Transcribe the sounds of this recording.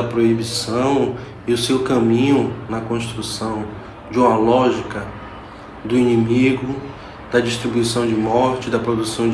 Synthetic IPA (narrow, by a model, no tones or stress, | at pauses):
ɐpɾoibisɐ̃w̃ | ɪʊsewkɐ̃mĩɲʊnɐkõst̪ɾusɐ̃w̃ | d͡ʒɪũmɐlɔʒikɐ | d̪ʊinĩmiɡʊ | d̪ɐd͡ʒiʃt̪ɾibuisɐ̃w̃d͡ʒɪmɔɾt͡ʃɪd̪ɐpɾod̪usɐ̃w̃